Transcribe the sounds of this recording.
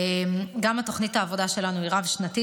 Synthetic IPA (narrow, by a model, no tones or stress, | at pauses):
mɡamato̞χnitaːvo̞daʃe̞lanuiʁavʃnati